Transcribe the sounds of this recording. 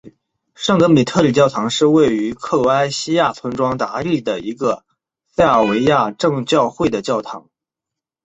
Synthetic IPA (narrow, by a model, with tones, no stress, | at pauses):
ʂɑ˥˩ŋt̪ɤ˧˥ŋmi˨˩t̪ʰɤ˥˩li˨˩t͡ɕjɑ˥˩ʊt̪ʰɑ˧˥ŋʂɻ̩˥˧we˥˩ɪy˧˥kʰɤ˥˩lwɔ˧˥a˥ɪɕi˥ja˥˩t͡sʰə˧˥nʈ͡ʂwɑ˥ŋt̪a̰˧˥i˥˩d̪ə˩i˧˥ɡə˧ | sa˥˩ɪa˨˩we˧˥ɪja˥˧ʈ͡ʂɤ˥˧ŋt͡ɕjɑ˥˧ʊxwe˥˩ɪd̪ə˩t͡ɕjɑ˥˩ʊt̪ʰɑ˧˥ŋ